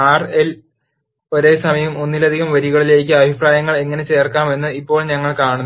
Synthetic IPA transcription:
aːrel | o̞ɾe̞ːsɐmɐjɐɐmonːilɐd̪ʱiɣɐmʋɐɾiɣɐɭileːk̬ʲːɨɐbʱipraːjɐŋːɐɭe̞ŋːɐne̞t͡ɕe̞ːrkaːme̞nːɨipːo̞ːɭɲɐŋːɐɭkaːɳunː

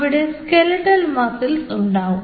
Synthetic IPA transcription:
ʋiɽe̞skelɐʈːɐlmɐsilsuɳɖaːʋum

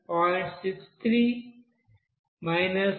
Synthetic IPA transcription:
ɔsɪkst̪ʰɾi | maɪnəs

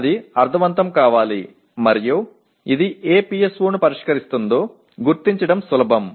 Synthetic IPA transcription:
d̪iɐɾd̪ʱɐʋɐnt̪ɐmkaːʋaːli | mɐɾju | id̪ieːpijesʋuːnupɐɾiʂkɐɾist̪und̪o̞ː | ɡuɾt̪iɲt͡ʃɐɽɐmsulɐbʱɐm

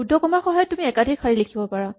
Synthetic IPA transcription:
udʱɔkɔmaxɔɦɔjɔtumiɛkadʱikʰaɹilekʰibɔpaɹa

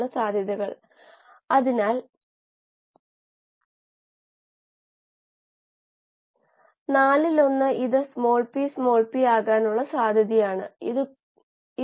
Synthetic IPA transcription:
ɳɨsaːd̪ʱjɐðɐɣɐɭ | ɐðinaːl | naːlilo̞nːɨiðɨsmo̞ːɭpismo̞ːɭpijaːɣaːnuɭːɐsaːd̪ʱjɐðijaːɳɨ̰iðɨ | i

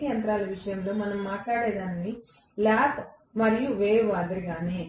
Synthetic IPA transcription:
jɐnt̪ɾaːlɐʋiʂɐjɐmloːmɐnɐmːaːʈlaːɽed̪aːni | laːpʰ | mɐɾijuʋeːʋaːd̪ɐɾiɡaːne

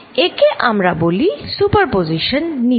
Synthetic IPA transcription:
ekeʔamɾabolisupəɾpoziʃənːi

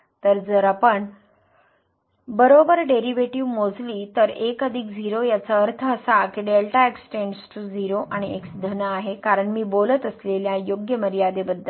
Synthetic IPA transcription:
t̪əɾd͡zəɾapəɳ | bəɾobəɾɖeɾiʋeʈiʋmod͡zliːt̪əɾekəd̪ʱiːkd͡ziɾojat͡saəɾt̪ʰəːsakeɖelʈaeksʈeɳɖsʈud͡ziɾoʔaɽ̃ieksd̪ʱənəaɦekaɾəɳmiːbolət̪əsleljajoɡjəməɾjad̪ebəd̪ʱːəl

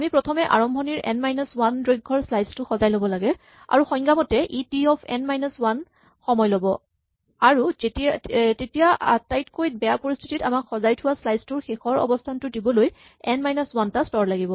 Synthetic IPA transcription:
amipɹɔtʰɔmɛʔa̰ɹɔmbʱɔniɹɛ̰nmajnɔswandɹoɡʱːɔɹslajztʊxɔzajlobɔlaɡɛ | a̰ɹuxɔjŋɡamɔtɛʔitiɔpʰɛ̰nmajnɔswan | xɔmɔjlobɔ | aɹutiatetijaa̰tajtkojt̚bɛjapoɹistʰititamakxɔzajtʰʊwaslajztʊɹxexɔɹɔ̰bɔstʰantʊdibɔloj | ɛnmajnɔswantastɔɹlaɡibɔ

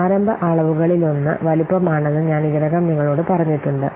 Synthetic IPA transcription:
aːɾɐmbʱɐʔaːɭɐʋuɣɐɭilonːɨ̰ʋɐlipːɐmaːɳɐðɨɲaːniɣɐðɐɣɐmniŋːɐɭo̞ːɽɨpɐrɐɲːiʈːuɳɖɨ

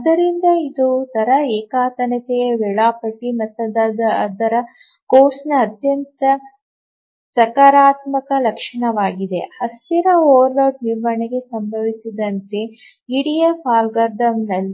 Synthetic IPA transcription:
ɐd̪ɐɾind̪ɐid̪ut̪ɐɾɐɛːkaːt̪ɐnɐt̪ejɐʋɛɭaːpɐʈːimɐt̪ːɐd̪aːd̪ɐd̪ɐɾɐ | koːsnɐːd̪jɐnt̪ɐ | sɐkaːɾaːt̪mɐkɐlɐkʂɐɳɐʋaːɡid̪ḛhɐsiɾɐoːʋɐɾloːʈniɾʋɐɳeɡe̞sɐmbʱɐʋisid̪ɐnt̪e | iɽijɐfaːlɡɐɾd̪ɐmnɐlːi

